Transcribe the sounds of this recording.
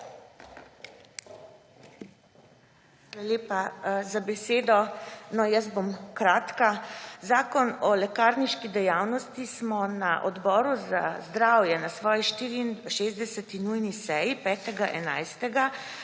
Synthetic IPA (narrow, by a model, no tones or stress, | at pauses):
xʋalaleːpazabɛseːd̪ɔnɔjəst̪̚bomkɾaːt̪kazaːkɔnɔlɛkaːɾniʃkid̪ɛjawnɔst̪ismɔnaʔɔd̪bɔːɾuzazd̪ɾawjɛnasʋɔːjiʃt̪iːɾiʃeːzd̪ɛsɛt̪inujnisɛjipɛːt̪ɛɡaʔɛnajst̪ɛɡa